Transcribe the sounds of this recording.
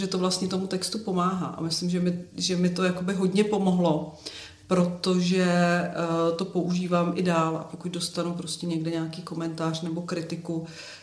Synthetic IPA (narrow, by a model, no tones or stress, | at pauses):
ʒɛt̪ovlast̪ɲɛt̪omut̪ɛkst̪upo̞maːɦa̰ːʔa̰mɪslɪmʒɛmɪʒɛmɪt̪o̞jakobɪɦo̞dɲɛpo̞mo̞ɦlo̞ | pɾo̞t̪o̞ʒɛ | t̪o̞po̞ʔuʒiːvaːmʔɪdaːlʔa̰po̞kucdo̞st̪anupɾo̞scɛɲɛɡdɛɲaːkiːko̞mɛnt̪aːr̝̥nɛbo̞kɾɪt̪ɪku